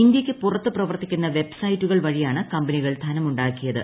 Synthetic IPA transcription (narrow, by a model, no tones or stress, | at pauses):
ind̪jɐkʲːɨpurɐt̪ːɨprɐʋɐrt̪ːikʲːunːɐʋe̞bsɐjitːuɣɐɭʋɐɻijaːɳɨkɐmbɐniɣɐɭt̪ʰɐnɐmuɳɖaːkːijɐðɨ̰